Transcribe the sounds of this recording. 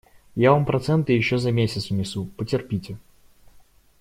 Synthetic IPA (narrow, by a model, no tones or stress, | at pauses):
javampɾɐt̪sɛnt̪ɨjɪɕːozɐmʲesʲɪt̪svnʲɪsupətʲɪrpʲitʲɪ